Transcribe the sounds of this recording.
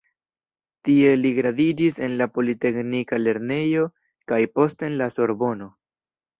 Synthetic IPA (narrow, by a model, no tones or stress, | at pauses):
tie̞liɡɾadid͡ʒisenlapo̞lite̞knikale̞ɾne̞jo̞ | kajpo̞stenlaso̞ɾbo̞no̞